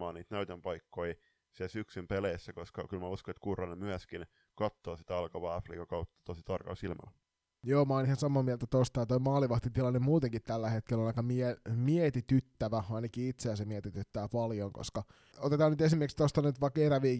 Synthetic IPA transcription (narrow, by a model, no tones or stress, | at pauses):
ɑːniːt̪næyt̪empɑikːoi | sisyksympeleisːækoskɑ̰kylmæuskonet̪kuːrɑnemyæskin | kɑt̪ːoːsit̪æɑlkɑʋɑːɑfrḭːkɑkɑwt̪ːɑ̥t̪osit̪ɑrkɑ̰ːsilmɑ̰l | joːmɑːnihɑsɑmɑːmielt̪æt̪ost̪ɑjɑt̪oimɑːliʋɑht̪it̪ilɑnːemmuːt̪eŋkit̪t̪ælːæhet̪̚kelːonɑikɑmiemiet̪it̪yt̪ːæʋæɑinɑkiit̪seæsemiet̪it̪yt̪ːæːpɑljoŋko̰skɑ | ot̪et̪ɑːnyt̪esimːerkst̪ost̪ɑnyt̪ʋɑkeɾæʋiː